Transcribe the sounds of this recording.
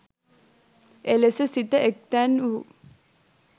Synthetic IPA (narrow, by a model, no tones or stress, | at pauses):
elesəsit̪əʔek̚t̪ænu